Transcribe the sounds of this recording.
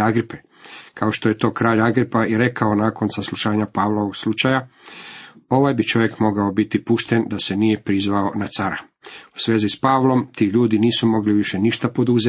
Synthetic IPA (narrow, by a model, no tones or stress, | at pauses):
aɡɾipe | kʰao̞ʃt̪oje̞t̪o̞ːkɾaːʎaɡɾipaiɾe̞kao̞naːko̞nsaslˠuʃaːɲapaːʋlˠo̞ʋoɡslˠut͡ʃaja | o̞ʋajbit͡ʃo̞ʋje̞kmo̞ɡaobit̪ipuʃt̪e̞nd̪asenije̞pɾizʋao̞nat̪saɾa | u̥sʋeːzispaːʋlˠo̞mt̪iːʎuːd̪iniːsumo̞ɡliʋiʃe̞niʃt̪apo̞d̪uze